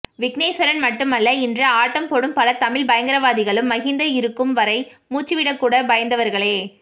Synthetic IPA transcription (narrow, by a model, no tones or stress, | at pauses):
ʋɪknɐɪsʋɐɾɐnmɐʈːɯmɐlːɐɪndrɐaːʈːɐmpɔɽɯmpɐlɐt̪ɐmɪɭbɐjɐŋɡɐɾɐʋaːðɪɣɐɭɯmːɐɣɪnd̪ɐɪɾɯkːɯmʋɐɾɐɪmuːt͡ʃːiʋɪɽɐkːuːɽɐbɐjɐnd̪ɐʋɐɾɣɐɭeː